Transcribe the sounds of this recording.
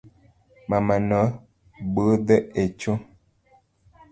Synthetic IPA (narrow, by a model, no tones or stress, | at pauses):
mamanə | bədəet͡ʃo